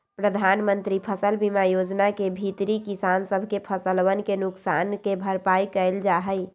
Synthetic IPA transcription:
pɾəd̪ʱanmənt̪ɾipʰəsəlbimajod͡ʒnakebʱit̪ɾikisansəbʱkepʰəsəlʋənkenuksankebʱəɾpajkəɪld͡ʒaɦəj

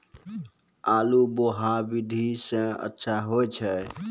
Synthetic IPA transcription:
aːluboɦabid̪ʱisə̃ə̰tːʃʰaɦojt͡ʃʰə

